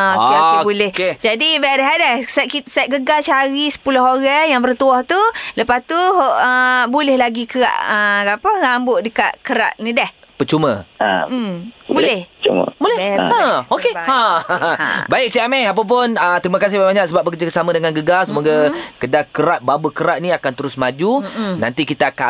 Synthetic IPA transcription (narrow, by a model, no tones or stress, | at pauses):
aokeaobulɛhked͡ʒadibɛdəɦadɛhsɛʔkisɛʔ̪̚ɡəɡat͡ʃaɾisə̥pulʊɦoɾajaŋbərt̪uɔht̪uləpast̪uɦɔʔəbulɪhlaɡikəɾa̰ʔəkapəŋambʊʔdəkaʔkəɾa̰ʔnĩdɛh | pət͡ʃumə̰̃ | bollɛht͡ʃumə̰bolɛaokeaã̰ | baɪk̚t͡ʃiamɛhap̬ap̬ʊnət̪əɾimakas̬ɪhbabaɲãk̚səbap̚bəkəd͡ʒakəsamãdəŋanɡəɡasəmoɡakədakəɾaʔbabəkəɾaʔniakant̪əɾʊsmad͡ʒuna̰nt̪ikit̪aka